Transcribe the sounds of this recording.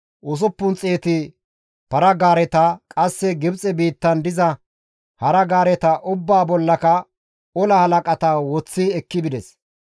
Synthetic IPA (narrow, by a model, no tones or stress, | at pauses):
ʔʊs̬ʊpːʊnt͡sʼe̞ːt̪ɪ | pɐɾɐɡaːɾɛt̪ɐkʼɐsːɛɡɪbt͡sʼɛbiːt̪ːɐnd̪ɪzɐ | hɐɾɐɡaːɾɛt̪ɐʔʊbːaːbɔlːɐkɐ | ɔlɐhɐlɐkʼɐt̪ɐwɔt͡sːɪɛkːɪbɪd̪ɛs